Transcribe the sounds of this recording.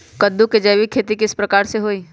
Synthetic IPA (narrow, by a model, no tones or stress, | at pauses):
kəd̪ːuked͡ʒɐjʋikʰːeːt̪ikɪspɾɐkaːɾseɦoːiː